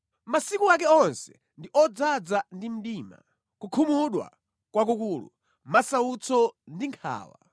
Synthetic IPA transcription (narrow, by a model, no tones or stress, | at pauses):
masikuak̬ɛɔnsɛ̥ | ndiʔɔd͡zad͡zandim̩ɗiːma̰ | kukʰumuɗwa̰ | kwak̬ukuːlṵ | masaut͡sʰɔndiŋkʰa̰ːwa̰